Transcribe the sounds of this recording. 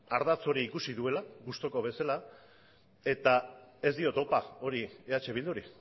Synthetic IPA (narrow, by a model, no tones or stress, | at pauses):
aɾðat͡so̞ɾiːkusiðue̞laɣust̪o̞ko̞β̞e̞sala | e̞t̪ae̞zd̪io̞t̪o̞pao̞ɾieat͡ʃe̞β̞ild̪uɾi